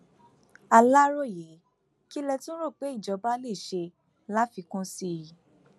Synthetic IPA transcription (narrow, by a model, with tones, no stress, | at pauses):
a˧la˦ɾo˦˨je˨˦ | ki˦lɛ˧tũ˦ɾo˦˨k͡pe˨˦i˦˨d͡ʒɔ˨˧˦ba˦le˦˨ʃe˧ | la˦fi˧kũ˦si˦˨ji˨